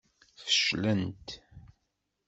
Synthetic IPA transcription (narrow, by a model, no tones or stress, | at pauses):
θə̥ʃlənt̪